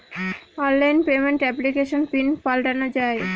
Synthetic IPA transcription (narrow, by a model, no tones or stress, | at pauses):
ɔnlajnpemeɳʈɛplikeʃonpinpalʈanod͡ʑae